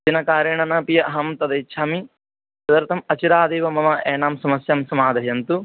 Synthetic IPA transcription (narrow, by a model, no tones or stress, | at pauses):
d͡ʒinɐkaːɾjɐɳɐnɐpijɐʔɐɦɐmt̪ɐd̪ɐitːʃʰaːmi | sɐd̪ɐɾt̪ʰɐmɐt͡ʃiɾaːd̪eːʋɐmɐmɐʔeːnaːmsɐmɐsjamsɐmaːd̪ɐɦjɐnt̪u